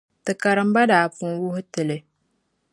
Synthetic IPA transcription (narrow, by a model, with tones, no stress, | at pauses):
tɨ˨ka˨ɾɨ˨m̩˦ba˦daː˨fu˦wʊ˦hʊ˦tɨ˨lɨ˨